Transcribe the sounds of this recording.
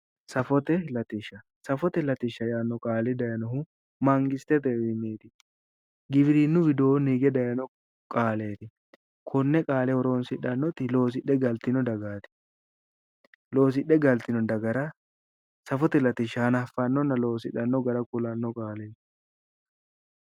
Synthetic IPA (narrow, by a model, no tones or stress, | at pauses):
sɐfɔt̪ɛlɐt̪ɪʃːɐ | sɐfɔt̪ɛlɐt̪ɪʃːɐjaːnːɔkʼaːlɪd̪ɐjɐnɔhʊ | mɐŋɡɪst̪ɛt̪ɛwɪmːeːt̪ɪ | ɡɪbɪɾinːʊbɪd̪oːniːɡɛd̪ɐjɐnɔ | kʼaːle̞ːt̪ɪ | kʰɔnːɛkʼaːlɛɔɾo̞ːnsɪᶑɐnːɔt̪ɪlo̞ːs̬ɪɗɛɡɐlt̪ɪnɔd̪ɐɡaːt̪ɪ̥ | lo̞ːs̬ɪɗːɛɡɐlt̪ɪnɔd̪ɐɡɐɾɐ | sɐfɔt̪ɛlɐt̪ɪʃɐhɐnɐɐfːɐnːɔnːɐlo̞ːsɪᶑːɐnːɔɡɐɾɐkʊlɐnːɔkʼaːlen